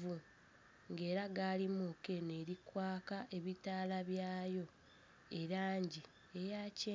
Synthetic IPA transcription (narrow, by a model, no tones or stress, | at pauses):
u | ŋɡe̞ːɾaɡaːlimuke̞neːɾikwaːkaʔe̞βitaːlaβjaːjo̞ | e̞ɾaːɲɟi | ejace